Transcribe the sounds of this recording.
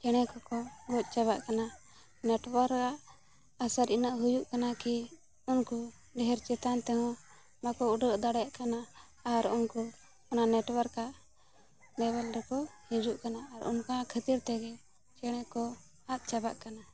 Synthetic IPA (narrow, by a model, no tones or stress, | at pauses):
t͡ʃɛɽ̃ɛkɔkɔbɔt̪̚ˀt͡ʃaβaʔkana | nɛʈwəɾkaʔ | asaɾinaʔɦujuʔkanaki | unku | ɖɛɦɛɾt͡ʃɛt̪ant̪ɛɦɔ̃ | makɔuɖəʔd̪aɽɛaʔkanaː | ɾunku | ɔnaʔnɛʈwəɾkaʔ | ɖɛβɛlɾɛkɔhĩd͡ʒuʔkanaːɾṵnkaakʰət̪iɾt̪ɛɡɛ | t͡ʃɛɽ̃ɛkɔ | at̪̚t͡ʃabaʔkana